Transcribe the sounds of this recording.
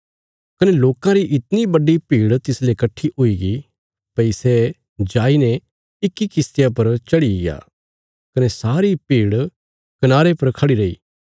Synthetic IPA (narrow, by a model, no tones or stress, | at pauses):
kɐneloːkãɾiʔɪt̪nibɐɖipiːɽt̪ɪslekɐʈʰːiʔuiɡi | pɐisɛ | d͡ʒaːinɛ | ɪkːikɪst̪ɪjap̬ɐɾt͡ʃɐɽija̰ː | kɐnesaːɾipiːɽ | kɐnaːɾepɐɾkʰɐɽiɾɐḭː